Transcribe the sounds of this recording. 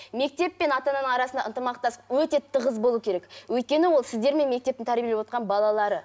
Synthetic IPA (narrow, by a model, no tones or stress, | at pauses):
me̞k̚t̪e̞pːe̞nɑt̪ɑnɑnəɴɑɾɑsənd̪ɑʔənt̪əmɑq̚t̪ɑsə̥qwɵt̪e̞t̪ʰəʁəzbo̞lˠuəkʲʰe̞ɾekwɵjt̪̚kʲe̞nɪwo̞lˠsɪzd̪e̞ɾme̞nme̞k̚t̪e̞p̪̚ɪnt̪ʰæɾbʲijelewo̞t̪qɑnbɑlˠɑlˠɑɾə